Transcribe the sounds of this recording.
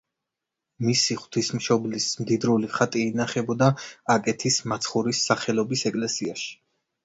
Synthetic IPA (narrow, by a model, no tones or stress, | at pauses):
misiχwt̪ʰismʃɔblismd̪id̪ɾuliχat̪ʼiːnaχɛbɔd̪aakʼɛt̪ʰismat̪sʰχuɾisːaχɛlˠɔbisɛkʼlɛsiaʃi̥